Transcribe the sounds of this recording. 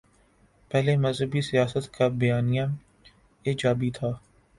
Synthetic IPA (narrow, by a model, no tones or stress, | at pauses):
pɛɦlemɐzɦəbisijaːsət̪kabɐjaːnijã | eːd͡ʒaːbit̪ʰaː